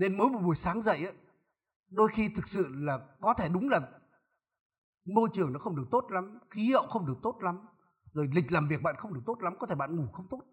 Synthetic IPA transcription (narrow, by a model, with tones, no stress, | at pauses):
ne˧nmə˨˦jmo˨˩mu˨˩əjsaː˨˦ŋzə̰˧˨jʔaː˨˦ | ɗo˧jxi˧t̪ʰɨ˨˩k̚sɨ̰˧˨laː˨˩kɔ˨˦t̪ʰe˧˩ɗʊ˨˦ŋ͡mlaː˨˩ | mo˧t͡ɕɨ˨˩əŋnɔ̰˨˦xə˧wŋ͡mɗɨ˨˩ək̚t̪o˦˥t̚la˨˦mxi˨˦hə̰˧˨wxə˧wŋ͡mɗɨ˨˩ək̚t̪o˦˥t̚la˨˦m | zo˨˩jlï˨˩k̟̚laː˨˩mvi˨˩ək̚ɓa̰ː˧˨nxə˧wŋ͡mɗɨ˨˩ək̚t̪o˦˥t̚la˨˦mkɔ˨˦t̪ʰe˧˩ɓa̰ː˧˨ŋu˧˩xə˧wŋ͡mt̪o˦˥t̚